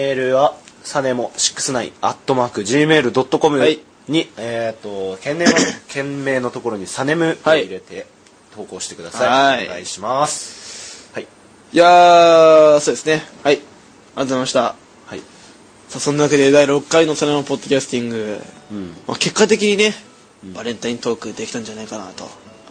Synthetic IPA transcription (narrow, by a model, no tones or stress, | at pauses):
eːɾɯ̟βasane̞mo̞ɕi̥kːɯ̟̥sɨnaḭat̪ːo̞maːkɯ̟ʑiːme̞ːɾɯ̟d̪o̞t̪ːo̞ko̞mɯ̟ai | ɲ̟iet̪ːo̞kẽ̞nːẽakẽ̞mme̞ːno̞t̪oko̞ɾo̞ɲ̟isane̞mɯ̟haiiɾe̞t̪e̞ | t̪o̞ːko̞ːɕi̥t̪e̞kɯ̟d̪asaiaiɡa̰iɕimasɨ̥hai | ja | so̞ːd̪e̞sɨne̞hai | aɾat̪omemaɕi̥t̪a | hai | saːsonːanakad̪e̞d̪aiɾo̞kːaino̞sanemɯpo̞d̪ːo̞kʲasɨ̥t̪ʲĩŋɡɯ̟ | ma̰ke̞kːat̪̬e̞kʲiɲ̟ine̞ | b̥aɾẽ̞nt̪aĩnt̪o̞ːkɯ̟d̪e̞kʲi̥t̪ãɲ̟d͡ʑanaikana̰t̪o̞̰